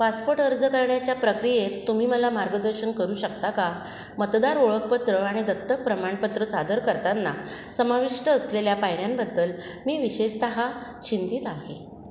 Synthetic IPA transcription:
paspoʈəɾd͡zəkəɾɳjat͡ɕjapɾəkɾijet̪ːum̤iːməlamaɾɡəd̪əɾɕəɳkəɾuːɕəkt̪aka | mət̪d̪aɾoɭək̚pət̪ɾəaɽ̃id̪ət̪ːək̚pɾəmaɳpət̪ɾəsad̪əɾkəɾt̪anːasəmaʋiʂʈəːsleljapajɾjambəd̪ːəl | miːʋiɕeɕt̪əɦat͡ɕint̪it̪aɦe

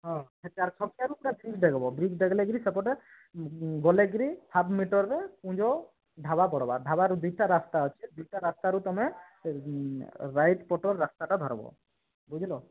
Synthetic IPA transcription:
ɦɔ̃kʰɛt̪aɾt͡ʃʰɔkijaɾupɾabɾikɖɛɡɔbɔbɾikɖɛɡɔlɛɡɾisɛpɔʈɛ | ɡɔleɡɾipʰabʱmiʈɔɾːɛũd͡ʒɔ | ɖʱaβapɔɽɔba̰ɖʱabaɾud̪uʈaɾast̪aɦɔt͡ʃʰɛd̪ujʈaɾast̪aɾut̪ɔmɛ | ɾajʈpɔʈɔɾːast̪aʈad̪ʱɔɾɔ̰bɔ̰ | bud͡ʒʱilɔ

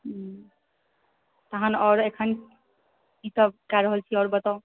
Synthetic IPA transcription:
t̪əɦanɔɾekʰən | kit̪əbkaɾəɦəlt͡ʃʰiɔːɾbət̪ɔ

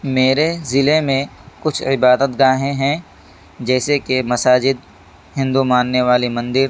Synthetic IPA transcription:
meːɾezɪlemẽkʊt͡ʃʰɪbaːd̪ət̪ɡaːɦẽɦɛ̃ | d͡ʒɛːsekemɐsaːd͡ʒɪd̪̚ | hɪ̃nd̪umãːnːeʋaːlimɐ̃nd̪ɪɾ

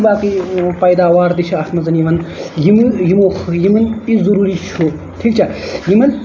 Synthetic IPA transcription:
baːkipɐjd̪aːʋaːɾd̪it͡ʃʰiɐht̪mɐzɐnjimɐnjimɨjimoːxʰjimɐnizɐɾuːɾit͡ʃʰu | t̪ʰiːkt͡ʃʰajimɐn

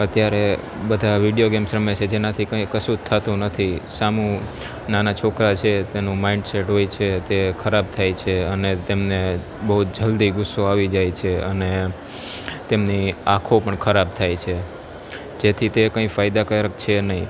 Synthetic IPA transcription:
ət̪jaɾe | bəd̪ʱaʋiɖijoɡemsɾəmət͡ʃʰed͡ʒenat̪ʰikə̃ĩkəsud̪̚t̪ʰːat̪ũnət̪ʰisamu | nanat͡ʃʰokɾat͡ʃʰet̪enũmaĩɳɖseʈɦojt͡ʃʰet̪ekʰəɾab̚t̪ʰajt͡ʃʰeənet̪emne | bəɦut̪̚d͡ʒəld̪iɡʊsːoaʋid͡ʒajt͡ʃʰeəne | t̪emniakʰopəɳkʰəɾab̚t̪ʰajt͡ʃʰe | d͡ʒet̪ʰit̪ekə̃ĩfajd̪akəɾəkt͡ʃʰenəɦĩ

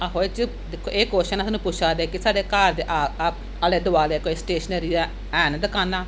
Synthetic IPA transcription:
aɦoːet͡ʃə | d̪eːkʰːoːʔeːkoːʃənasnũːpʊt͡ʃʰaːd̪eːkɪsaːɖeːkaːɾd̪eːʔaː | əleːd̪ʊʋaːleːkoːeːsʈeːʃnəɾiːaː | ɛːnd̪əkaːnãː

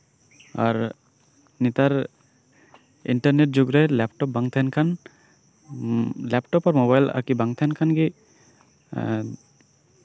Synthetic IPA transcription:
a̰ɾ | nit̪aɾ | ḭɳʈɐɾneʈ̚d͡ʒuɡɾəlɛpʈɔp̚baŋt̪ʰaɦnkʰan | lɛpʈɔpɔɾmobajla̰kibaŋt̪ʰankʰanɡi

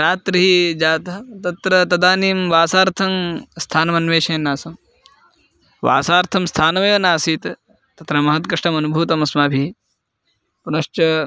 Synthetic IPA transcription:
ɾaːt̪ɾiɦid͡ʒaːt̪ɐɦɐt̪ɐt̪ɾɐt̪ɐd̪aːniːmʋaːsaːɾt̪ʰɐmst̪ʰaːnɐmɐnʋeːʃeːnːaːsɐm | ʋa̰ːsaːɾt̪ʰɐmst̪ʰaːnɐmeːʋɐnaːsiːt̪ | t̪ɐt̪ɾɐmɐɦɐt̪kɐʂʈɐmɐnubʱuːt̪ɐmɐsmaːbʱi | punɐʃt͡ʃɐ

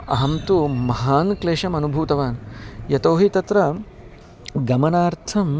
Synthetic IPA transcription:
ɐ̰ɦɐmt̪umɐɦaːnkleːʃɐmɐnubʱuːt̪ɐʋaːnjɐt̪oːɦit̪ɐt̪ɾɐ | ɡɐmɐnaːɾt̪ʰɐm

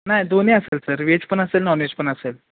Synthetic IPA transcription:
najd̪oneəselsəɾʋet͡spəɳəselnawned͡ʑpəɳəsel

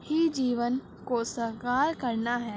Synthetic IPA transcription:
hid͡ʒiːʋən | kosɐɦkaːɾkɐɾnaɦɛː

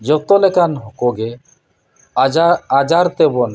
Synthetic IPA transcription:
d͡ʒɔt̪ɔlɛkanɦɔkɔɡɛ | ad͡ʒaɾt̪ɛbɔn

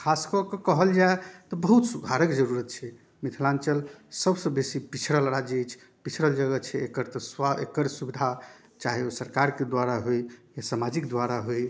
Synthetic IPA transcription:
kʰaskəkɔkəɦəld͡ʒaet̪ɔbəɦut̪suɡʱaɾəkd͡ʒəɾuɾət̪̚t͡ʃʰɛ | mit̪ʰlant͡ʃəlsəbsə̃besipit͡ʃʰɾəlɾad͡ʒejt͡ʃʰ | pit͡ʃʰɾəld͡ʒəɡət͡ʃʰɛekəɾt̪ɔsaḛkəɾsubid̪ʱa | t͡ʃaɦiosəɾkaɾked̪waɾaɦojjasamad͡ʒikd̪waɾaɦoj

